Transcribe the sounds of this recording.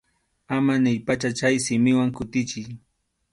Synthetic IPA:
amanɪʎpat͡ʃat͡ʃajsɪmɪwaŋkʊt̪ɪt͡ʃɪj

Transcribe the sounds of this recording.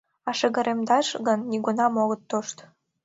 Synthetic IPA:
ɑʃə̆ɣə̆ɾʔemd̪ɑʃɣənːʲiɣunɑmoɣət̪ːoʃt̪

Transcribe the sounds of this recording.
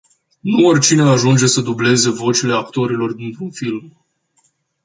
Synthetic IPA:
nuorʲt͡ʃineaʒund͡ʒe̞səd̪uble̞ze̞vo̞t͡ʃile̞ak̚t̪o̞ɾilo̞rd̪int̪ɾunfilm

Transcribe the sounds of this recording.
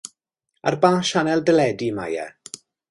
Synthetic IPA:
a̰rbaːʃanɛlˠdəlɛdima̰jɛ̰

